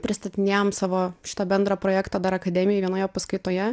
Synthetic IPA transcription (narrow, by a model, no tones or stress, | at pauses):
pʲɾʲɪst̪ɐt̪ʲɪnʲeːjomsɑːʋoːʃʲɪ̥t̪ɐbʲɛnd̪ɾɐpɾoːjæːkt̪ɐd̪ɐɾɐkɐd̪ʲɛmʲɪjɛʋʲiɛnoːjɛpɐskʊɪt̪oːjɛ